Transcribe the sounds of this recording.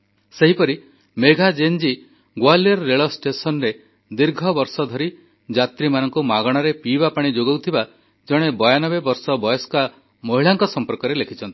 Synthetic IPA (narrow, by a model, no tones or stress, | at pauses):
seɦipɔɾi | meɡʱad͡ʒend͡ʒi | ɡwaljɔɾːeɭɔsʈesɔnɾe | d̪iɾɡʱɔbɔɾsɔd̪ʱɔɾi | d͡ʒat̪ɾimanɔŋkumaɡɔɽ̃ɔɾepibapaɽ̃id͡ʒoɡewt̪ʰiba | d͡ʒɔɽ̃ebɔjanɔbebɔɾsɔbɔjɔska | moɦiɭaŋkɔsɔmpɔɾkɔɾelekʰit͡ʃʰɔnt̪i̥